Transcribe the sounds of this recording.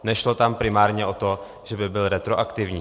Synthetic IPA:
nɛʃlot̪ampɾɪmaːɾɲɛʔo̞t̪o̞ | ʒ̥ɛbɪbɪlɾɛt̪ɾoʔakt̪ɪvɲiː

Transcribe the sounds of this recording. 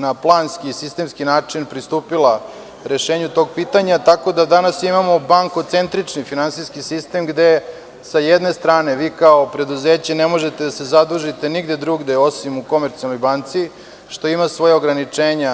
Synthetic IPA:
naplˠaːnskiːsist̪e̞mskinaːt͡ʂinpɾist̪uːpila | ɾe̞ʃeːɲut̪o̞ɡ̚pit̪aɲat̪ako̞d̪ad̪anasimamo̞baŋko̞t̪se̞nt̪ɾit͡ʂnifinansijskisist̪e̞mɡd̪e̞ | sajed̪ne̞st̪ɾaːne̞ʋiːkaopɾe̞d̪uzeːt͡ɕenemo̞ʒet̪ed̪ase̞zad̪ɾuʒit̪e̞niɡd̪ed̪ɾuɡd̪e̞o̞simuko̞meɾt̪sialnojbant̪si | ʃt̪o̞imasʋo̞jaoɡɾanit͡ʂeːɲa

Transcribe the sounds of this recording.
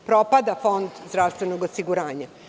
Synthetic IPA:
pɾopad̪afo̞nd̪zd̪ɾaʋst̪ʋenoɡosiɡuɾaːɲa

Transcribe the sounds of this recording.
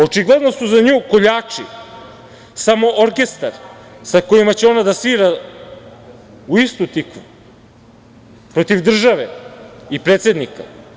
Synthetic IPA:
o̞t͡ʂiɡled̪no̞suzaɲuːko̞ʎaːt͡ʂi | samo̞ʔoɾke̞st̪aɾsako̞imat͡ɕeo̞nad̪asiːɾa | uist̪ut̪ikʋu | pɾo̞t̪iʋd̪r̩ʒaʋeipɾet̪se̞d̪nika̰

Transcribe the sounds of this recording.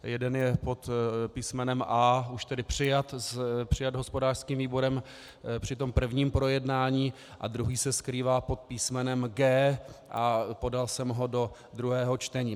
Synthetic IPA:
jɛdɛnjɛpo̞t̪piːsmɛnɛmʔaːuʃt̪ɛdɪpr̝̥ɪjat̪spr̝̥ɪjad̪ɦo̞spodaːr̥skiːmviːbo̞ɾɛm | pr̝̥ɪt̪o̞mpr̩vɲiːmpɾo̞jɛdnaːɲiː | ʔa̰d̪ɾuɦiːsɛskɾiːvaːpo̞t̪̚piːsmɛnɛmɡɛːʔapo̞dalsɛmɦo̞do̞ | d̪ɾuɦɛːɦo̞t͡ʃt̪ɛɲiː

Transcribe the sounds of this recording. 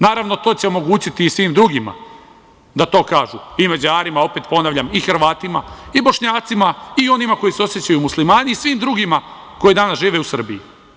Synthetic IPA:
naːɾaʋno̞t̪o̞ːt͡ɕeo̞mo̞ɡuːt͡ɕit̪iːsʋimd̪ɾuɡima̰ | d̪at̪o̞ːkaːʒuimad͡ʑaːɾimao̞pe̞t̪po̞naʋʎamixrɾ̩ʋaːt̪ima̰ibo̞ʃɲaːt̪simaio̞nimako̞iseo̞sjet͡ɕajumuslimaːniːsʋiːmd̪ɾuɡima | ko̞jid̪aːnasʒiːʋe̞usr̩biji

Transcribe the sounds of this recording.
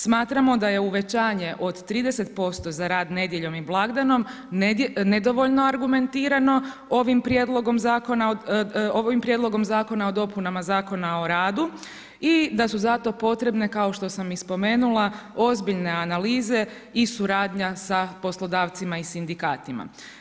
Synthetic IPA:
smaːt̪ɾamo̞d̪aje̞uʋe̞t͡ɕaːɲe̞ʔo̞d̪t̪ːɾiːd̪e̞se̞t̪po̞st̪o̞zaɾaːd̪ne̞d̪je̞ʎo̞miblˠaɡd̪ano̞m | nned̪o̞ʋo̞ʎno̞aɾɡume̞nt̪iːɾano̞ | o̞ʋimpɾjed̪lˠo̞ɡo̞mzaːko̞naoʋimpɾje̞d̪lˠo̞ɡo̞mzaːko̞nao̞d̪o̞punamazaːko̞nao̞ɾaːd̪u | id̪asuzat̪o̞po̞t̪ɾe̞bne̞kaoʃt̪o̞samispo̞me̞ːnulˠao̞zbiʎne̞analiːze̞ | isuɾaːd̪ɲasapo̞slo̞d̪aːʋt̪simaisind̪ikaːt̪ima̰

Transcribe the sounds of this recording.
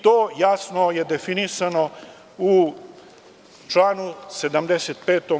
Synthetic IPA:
t̪oːjasno̞je̞d̪efinisano | u | t͡ʃlaːnuse̞d̪amd̪eset̪̚peːt̪o

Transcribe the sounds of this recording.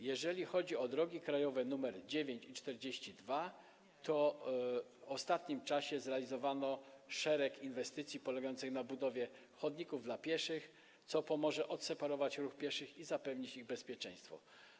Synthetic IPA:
jɛʐɛlʲixɔd͡ʑiɔd̪ɾɔɡʲikɾajɔvɛnumɛɾd͡ʑevʲjeɲt͡ɕit͡ʂt̪ɛɾd͡ʑeɕt͡ɕid̪va | t̪ɔ | ɔst̪at̪ɲimt͡ʂaɕɛzɾɛalʲizɔvanɔʂɛɾɛkinvɛst̪ɘt̪sʲjipɔlɛɡajɔnt̪sɘxnabud̪ɔvʲjɛ | xɔd̪ɲikuvd̪lapʲjɛʂɘx | t̪sɔpɔmɔʐɛʔɔt̪sɛpaɾɔvat͡ɕɾuxpʲjɛʂɘxizapɛvɲit͡ɕiɣbɛspʲjɛt͡ʂɛ̃j̃st̪fɔ̰

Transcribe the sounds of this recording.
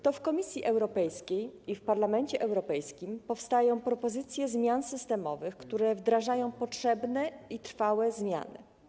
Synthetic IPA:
t̪ɔfkɔmʲisʲjiʔɛwɾɔpɛjskʲejifpaɾlamɛnt͡ɕɛʔɛwɾɔpɛjskʲimpɔfst̪ajɔ̃w̃pɾɔpɔzɘt̪sʲjɛzmʲjansɘst̪ɛmɔ̰vɘxkt̪uɾɛvd̪ɾaʐajɔ̃w̃pɔtʂɛbnɛit̪ɾfawɛzmʲja̰nɘ̰

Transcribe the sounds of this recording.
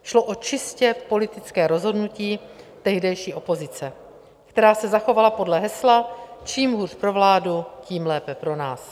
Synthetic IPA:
ʃlo̞ʔot͡ʃɪscɛpo̞lɪt̪ɪt͡skɛːɾo̞zɦo̞dnuciːt̪ɛɦdɛjʃiːʔo̞po̞zɪt͡sɛ | kt̪ɛɾaːsɛzaxo̞valapo̞dlɛɦɛslat͡ʃiːmɦuːrpɾo̞vlaːduciːmlɛːpɛpɾo̞naːs

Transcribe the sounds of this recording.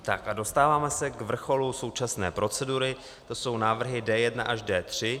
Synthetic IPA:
t̪a̰kʔado̞st̪aːvaːmɛsɛkvr̩xo̞luso̞wt͡ʃasnɛ̰ːpɾʔo̞t͡sɛduɾɪ | t̪o̞so̞wnaːvr̩ɦɪdɛːjɛdna̰ʔaʒdɛːt̪r̝̥ɪ

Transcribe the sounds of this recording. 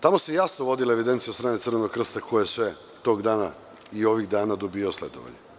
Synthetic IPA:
t̪amo̞sejasnoʋo̞d̪ilae̞ʋid̪ent̪sijost̪ɾaːnet̪sɨr̩ʋenoɡkr̩st̪akʰojojesʋe | t̪o̞ːɡd̪aːna̰ | io̞ʋiɣd̪aːnad̪obioslḛd̪o̰ʋa̰ɲe

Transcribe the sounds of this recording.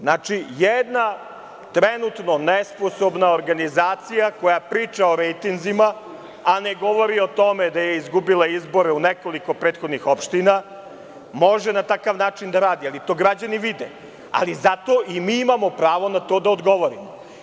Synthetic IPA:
znat͡ʂijed̪na | t̪ɾenut̪nonesposobnaoɾɡanizaːt̪sijako̞japɾiːt͡ʂaoɾejt̪inzima | aneɡo̞ʋo̞ɾio̞t̪o̞med̪ajeizɡubilˠaizbo̞ɾeuneko̞liko̞pɾeːt̪xod̪nixo̞pʃt̪ina | mo̞ʒɛnat̪akaʋnaːt͡ʂind̪aɾaːd̪ialit̪o̞ːɡɾad͡ʑaniʋid̪ḛ | a̰lizat̪o̞ʔimiːimamo̞pɾaːʋo̞nat̪o̞ːd̪aod̪ɡo̞ʋo̞ɾimo

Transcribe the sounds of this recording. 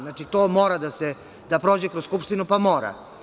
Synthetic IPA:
naːt͡ʃit̪oːmo̞ːɾad̪ase | d̪apɾo̞ːd͡ʑekɾosskupʃt̪inupamoːɾa̰

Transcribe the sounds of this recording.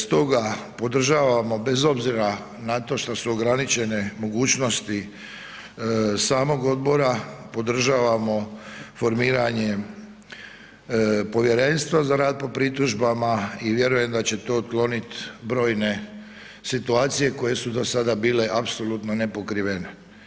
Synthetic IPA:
st̪o̞ɡapo̞d̪r̩ʒaːʋamo̞be̞zo̞bziɾa | nat̪o̞ʃt̪osuoɡɾanit͡ʃe̞ne̞mo̞ɡuːt͡ɕno̞st̪i | saːmo̞ɡo̞d̪̚bo̞ɾapo̞d̪r̩ʒaːʋamo̞fo̞ɾmiːɾaɲe̞ | po̞ʋje̞ɾe̞nst̪ʋazaɾaːd̪̚po̞pɾit̪uʒbamaiʋje̞ɾuje̞md̪at͡ɕe̞t̪o̞ːut̪klo̞nit̪bɾo̞ːjne̞ | sit̪uaːt̪sije̞ko̞je̞sud̪osad̪abiːle̞ʔapso̞lut̪no̞nepo̞kɾiʋene

